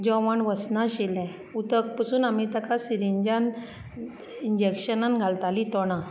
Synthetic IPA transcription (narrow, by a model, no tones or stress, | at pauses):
d͡ʑɔʋaɳʋəsnaɕelɛ̃ | ut̪ək̚pəsuːnamit̪akasiɾiɲd͡ʑan | ind͡ʑekɕənanɡʱalt̪alit̪ɔɽ̃ã